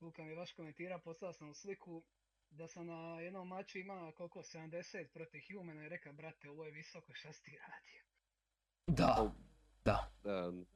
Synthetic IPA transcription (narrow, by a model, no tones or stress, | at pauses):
kulkamijeʋaʃko̞me̞nt̪iːɾapo̞st̪alasamuslikʰu | d̪asamnajed̪nomːat͡ɕuimako̞lˠkose̞d̪amd̪e̞se̞ːt̪̚pɾot̪ixjuːmenaiɾe̞kabɾat̪eo̞ʋojeʋiso̞koiʃt̪ast̪iɾaːd̪̥ijo | d̪a | d̪̥aa